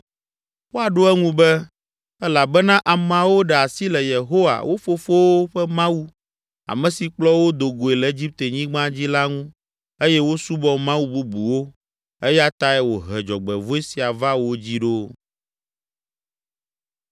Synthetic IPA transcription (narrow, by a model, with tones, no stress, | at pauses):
wo˦a˨ɖo˦ɛ˦ŋũ˦bɛ˦ | ɛ˦la˨bɛ˦nã˦ʔa˨m˨a˨wo˦ɖɛ˨a˨si˦lɛ˨je˨ɦo˦wa̰˨wʔo˦fo˦fo˦wo˦ɸɛ˦mã˦wu˦ | a̰˨mɛ̃˨si˨k͡plɔ˦wo˦d̪o˨ɡo˨e˨lɛ˨e˦d͡ʑi˦p̚t̪e˨ɲĩ˦ɡ͡bã˦d͡ʑi˦la˦ŋũ˦ | e˦jɛ˦wo˦su˦bɔ˦mã˦wu˦bu˦bu˨wo˦ | e˦ja˦t̪a˦ɛ˦wo˨ɦɛ˨d͡ʒɔ˨ɡ͡bɛ˨vo˦e˦si˨a˨va˦wo˦d͡ʑi˦ɖo˦